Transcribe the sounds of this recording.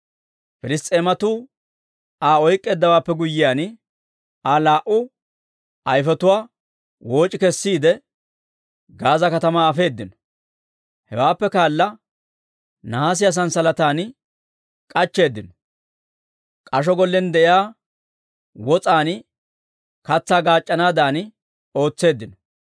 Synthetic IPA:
fɪlɪst̪ʼe̞ːmɐt̪uː | aːɔjkʼːe̞ːd̪ːɐwaːpːɛɡʊjːɪjaːn | aːlaːʔʊ | ɐjfɛt̪ʊwaː | woːt͡ʃʼːɪkɛsːiːd̪ɛ | ɡaːzɐkɐt̪ɐmaːfe̞ːd̪ːɪnɔ | hɛwaːpːɛkaːlːɐ | nɐaːs̬ɪjɐs̬ɐnsɐlɐt̪aːn | kʼɐt͡ʃːe̞ːd̪ːɪnɔ | kʼɐʃ̬ɔɡɔlːɛnd̪ɛʔɪjaː | wɔt͡sʼaːn | kɐt͡sːaːɡaːt͡ʃʼːɐnaːd̪aːn | o̞ːt͡sːe̞ːd̪ːɪnɔ

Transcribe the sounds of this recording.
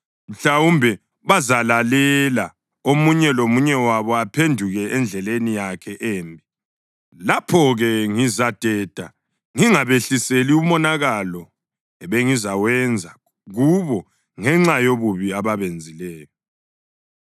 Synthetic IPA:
m̩ɬawumbʱɛ | βazalalɛla | omuɲɛlomuɲɛwaβɔapʰendʱuɣɛɛnd͡ɮʱɛlenijakʰɛʔeːmbʱi | lapʰɔɣɛŋizad̥ʱɛd̥ʱa | ŋiŋaβeɬiseliumɔnaɣalɔ | ɛβeŋizawɛnd͡zʱa | ɣuβɔ | ŋɛŋ͡ǁajoβuβiaβaβend͡zʱilɛːjɔ

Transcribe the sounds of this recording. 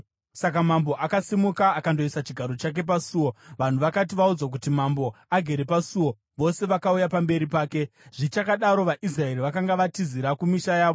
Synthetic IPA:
sakamambo̞ʔakasimukaːkando̞isat͡ʃiɡʱaɾo̞t͡ʃak̬e̞p̬asuːwo̞ʋan̤uʋakat̬iʋaud͡zwak̬utimambo̞aɡʱe̞ɾe̞pasuwo̞ | ʋo̞se̞ʋakaujapambe̞ɾipaːke̞ʐ̥it͡ʃakaɗaɾo̞ʋaʔisrae̞riʋakaŋɡaʋatiziɾakumiʃajaːʋo

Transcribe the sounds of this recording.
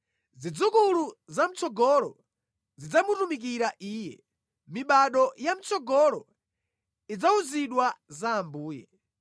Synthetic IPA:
zid͡zukuluzam̩t͡sʰɔɡɔlɔ | zid͡zamutumik̬iɾaʔiːjɛ̰ | miɓaɗɔjam̩t͡sɔɡɔlɔ | id͡zauziɗwazaːmbuːjɛ

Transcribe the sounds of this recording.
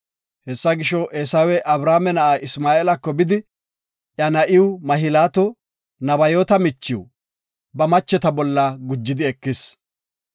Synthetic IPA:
hɛsːɐɡɪʃɔʔeːsaːwɛʔɐbɾaːmɛnɐʔaːʔɪsmaːeːlɐkːɔbɪd̪ɪ | ʔjɐnɐʔɪwʊmɐɦɪlaːt̪ɔ | nɐbɐjoːt̪ɐmɪt͡ʃːɪw | bɐmɐt͡ʃːɛt̪ɐbɔlːɐɡʊd͡ʒːɪd̪ɪɛkːɪs

